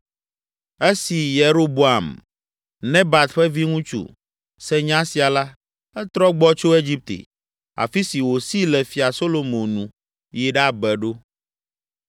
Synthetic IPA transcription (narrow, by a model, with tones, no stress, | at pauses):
e˦si˨je˨ɾo˦bo˦a˨m | nɛ̃˦ba˨t̪ɸɛ˦vi˦ŋũ˦t͡ʃṵ˨ | sɛ˦ɲã˦si˨a˨la˦ | ɛ˦t̪ɾɔ˦ɡ͡bɔ˦t͡ʃo˦e˦d͡ʑi˦p̚t̪ḛ˨ | a̰˨fi˦si˨wo˨si˦lɛ˨fi˨a˨so˦lo˨mõ˨nũ˨ | ji˨ɖa˦bɛ˨ɖo˦